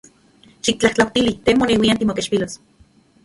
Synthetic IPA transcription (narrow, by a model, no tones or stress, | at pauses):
ʃik̚t͡ɬaht͡ɬawt̪ilit̪emonewiant̪imokeʃpilos